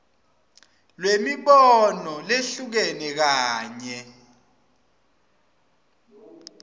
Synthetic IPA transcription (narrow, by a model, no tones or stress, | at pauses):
lwemiɓɔnɔleɬuk̬ɛnɛk̬aːɲɛ